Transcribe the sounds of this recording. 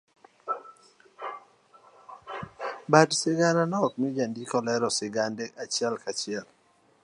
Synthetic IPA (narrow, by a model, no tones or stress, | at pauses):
badsɪɡananɔk̚mid͡ʒandikɔlɛɾɔsɪɡandɛʔat͡ʃɪɛlkat͡ʃɪɛl